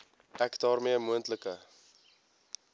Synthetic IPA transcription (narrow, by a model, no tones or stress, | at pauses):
ʔækdɑːrmiəmuəntləkə